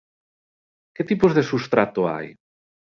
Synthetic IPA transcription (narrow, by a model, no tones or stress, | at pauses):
ket̪ipozðesust̪ɾat̪ʊa̰j